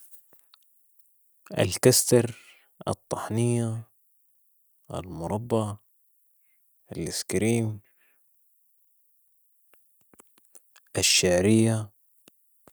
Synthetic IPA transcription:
ʔa̰lkast̪ɑɾˤ | ʔɨ̰t̪ˤːɑħnɪjːa | ɪ̰lmʊɾˤɑbːɑ | ʔɪlɪskɾiːm | ʔɪʃːaʕɾɪjːa

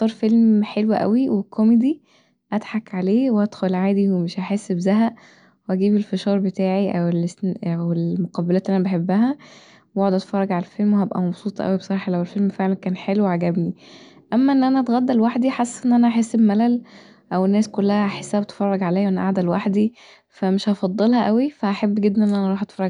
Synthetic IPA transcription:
t̪ˤɑɾˤfelmħelwæʔæ̰wiwekʰːomed̪i | ʔæd̪ħakʕaleːwehæd̪̥xolʕaːd̪iwemeʃʔaħesːbzæɦæʔ | weʔæɡiːbelfeʃɑːɾˤbet̪æːʕiʔæwelest̪æwelmoqɑbælæːt̪ʔænæbeħebːæɦæ | woʕod̪ʔæt̪fɑrˤːɑɡʕalælfelmwehæbʔæ̰mɑbsˤuːt̪ˤɑʔæ̰wibsˤɑɾˤɑːħɑlæwelfelmfeʕlænkæːnħeluweʕaɡæbni | ʔæmːæʔenːʔænæʔæt̪ɣæd̪ːælwaħd̪iħasːʔenːʔænæʔaħesːebmælæl | ʔæwenːæːskolːæhæħesːæhæbet̪e̥fɑrˤːɑɡʕalæːjʔenːʔa̰ʕd̪ælwaħd̪i | fæmeʃhɑfɑd̪ˤːelhɑʔæwifæhæħabːɡed̪ːniʔenːʔænæʔɾˤɑːħʔɑt̪fɑɾˤːɑɡ

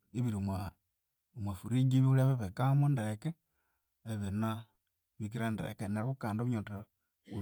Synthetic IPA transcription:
eβiɾimwa | mwafuɾid͡ʒiβulaβeβekamondeɾeke | eβena | βik̬iɾandeɾḛkeneɾβukaːndoβuɲota | u

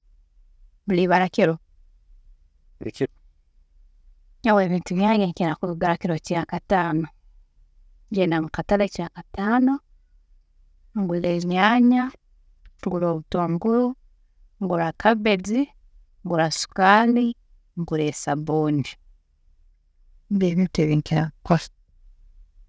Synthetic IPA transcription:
βuliβaɾakiɾo | ḭki | aweːβiːntuβjaːɲeɲkenakuɡaɾakiɾocijakataːno | ɲɟenaŋukatalacijaːkataːno | ŋɡwileβɲaːɲa | ŋɡuɾoːβutwaŋɡuɾu | ŋɡuɾakʰaβed͡zi | ŋɡuɾasu̥kaːli | ŋɡuɾesaβoːndi | mbeβiteβiŋkeakwas

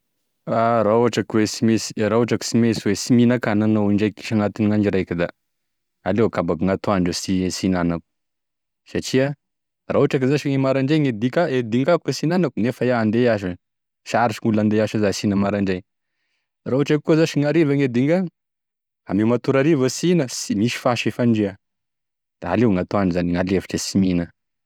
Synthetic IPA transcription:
aɾauaʈ͡ʂakwesimesi̥ɾauaʈ͡ʂaki̥simeswesiminakananoɳɖ͡ʐajkːi̥ʃaŋat̪iniŋand͡ʒiɾajkid̪a | alewkabakuŋat̪oaɳɖ͡ʐosisinanaku̥ | sat͡ʃia | rauʈ͡ʂakizaʃiŋemaɾaɳɖ͡ʐejŋed̪ikʲaed̪iŋɡakwesinanakunefajaand̪eaʃu | ʃaɾit͡ʃiŋuland̪eaʃazasinəmaɾaɳɖ͡ʐej | raɦuʈ͡ʂakuozaʃiŋaɾivaŋed̪iŋɡa | a̰mimat̪uɾaɾivəsinəsimiʃi̥faʃefaɳɖ͡ʐea | d̪̥aa̰lewŋat̪oaɳzaniŋalefḁʈ͡ʂasiminə

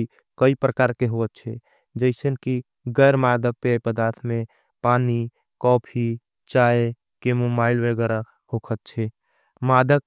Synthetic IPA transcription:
kəipɾəkaːɾkeɦoət̪̚t͡ʃʰɛ | d͡ʒəɪsənki | ɡɛːɾmaːd̪ək̚pepəd̪aːɾt̪ʰmẽ | paːni | kɔːpʰi | t͡ʃaːe | kemobaːɪlwəɡɛɾa | hokʰət̪̚t͡ʃʰɛ | maːd̪ək

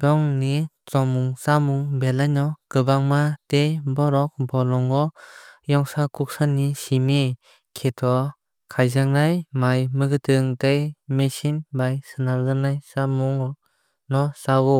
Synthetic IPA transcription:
bɔŋni | t͡sɔmuŋsamuŋbelajnɔkɯbaŋmatejbɔɾɔk̚bɔlɔŋɔjɔŋsakʰuk̚sanːisimi | kʰetʰɔ | kʰajzaŋnajmajmɯɡɯtʰɯŋtejmesinbajsɯnalzɯnajsamuŋ | nɔsawu

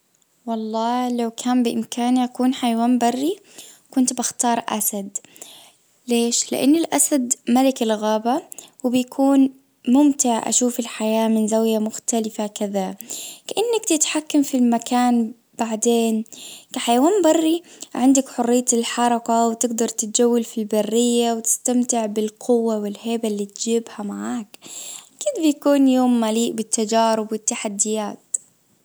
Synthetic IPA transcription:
wɑlˤːɑːlawkʰaːmbɪʔɪmkʰaːnʔakuːnħajawaːnbɑrːi | kʊnt̪baxt̪ɑːɾˤʔa̰sad̪ | leːʃlɪ̰ʔa̰nːɪlʔasad̪malɪkɪlɣaːbawɪbjakʰuːn | mʊmt̪ɪʕʔa̰ʃuːfɪlħajaːmɪnzawjamʊxt̪alɪfakɪðakaʔɪnːakt̪ɪt̪ħakːamfilmakaːn | b̥aʕd̪eːnkaħajwaːnbɑrˤːiʕɪnd̪akħʊrːɪjːaɪlħɑɾˤɑqawt̪ɪɡd̪ɑɾˤt̪ɪt̪̚d͡ʒawːalfilbarːɪjːawt̪ɪ̥st̪amt̪ɪʕbɪlqʰʊwːawɪlheːbalːiːt̪d͡ʒiːbhamaʕaːkkid̪bɪjakuːnjoːmːaliːʔbɪt̪ːad͡ʒaːɾɪbwɪt̪ːaħad̪ːɪjaːt̪

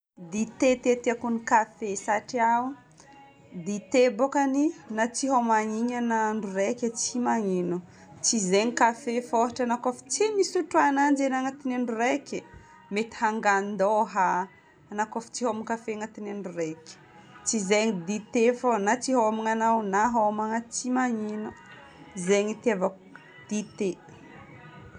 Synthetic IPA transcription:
d̪it̪et̪et̪iakunikafesaʈ͡ʂia | d̪it̪ebokaninat͡siɦomaŋiɲanaɳɖ͡ʐurekʲət͡simaŋinu | t͡sizeɲikafefoɦaʈ͡ʂanakafi̥t͡simisuʈ͡ʂuanand͡ʒenaŋat̪ineɳɖ͡ʐuɾekʲe | met̪i̥haŋɡannd̪oɦaː | nakafi̥t͡siɦomikafeŋat̪ineɳɖ͡ʐurekʲi̥ | t͡sizeɲid̪it̪efonat͡siɦawamiŋanawnaɦamaŋat͡simaɲinu | zeɲit̪avak | d̪̥it̪e

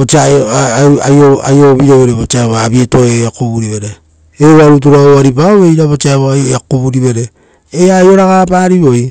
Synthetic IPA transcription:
ot͡ʃa | aoa̰joβiɾoβe̞ɾeβot͡ʃaeβoaβieto̞eakuβuɾiβe̞ɾe | eβaɾut̬uɾaoaɾip̬aoβe̞jɾaβot͡ʃaeβoajakuβuɾiβe̞ɾe | eajo̞ɾaɡapaɾiβo̞j

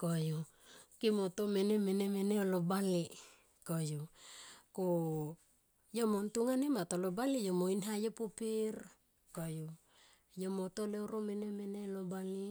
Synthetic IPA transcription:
koju | kimot̪omenemenemeneolobali | koju | ko | jomontuŋanemat̪olobalijomoinɦajepupir | koju | jomot̪oleoɾomenemenelobali

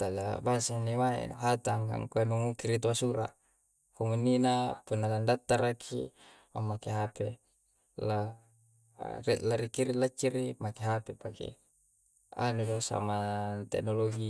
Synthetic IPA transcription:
t̪ala̰basanimaḛnuɦat̪aŋɡa̰ŋkuanuŋukiɾit̪̬uasuɾa̰ʔ | komunːinapunːalandat̪ːaɾakʰḭ | ma̰mːakeɦape | la | rilaɾikiɾilat͡ʃːiɾimakeɦapepakḛ | a̰nudosa̰mat̪ɛ̰knoloɡi

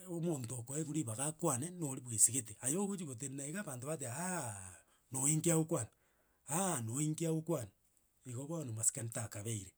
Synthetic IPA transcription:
omontokoeɣuɾiβaɣakwanenoɾiβwesiɣet̬eajoɣot͡ʃiɣot̬ennaiɣaβantoβat̬ea | noiŋkeaukwani | anoiŋkeaukwani | iɣoɣwanomasi̥kanitakaβeiɾe

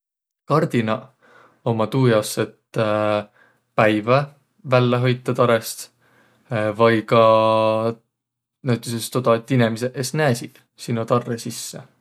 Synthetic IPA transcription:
kɑrd̪̥inɑ | o̞mɑt̪uːjɑset̪ | pæjvɑ | vælːeɦojt̪ːˑɑt̪ɑɾest̪ | vɑjkɑ | næɥt̪ːˑesest̪od̪̥ɑet̪ːinemis̬eʔesnæːsid̪̥ | sinːot̪ɑrːesisːḛ

